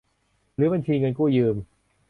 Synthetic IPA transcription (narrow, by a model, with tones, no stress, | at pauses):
ɾɯː˩˦˥ba˧nt͡ɕʰiː˧ŋɤ˧nkuː˥˩jɯː˧m